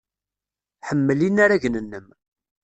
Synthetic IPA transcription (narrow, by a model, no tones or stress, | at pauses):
ħəmːəlinːaɾæʝnənːəm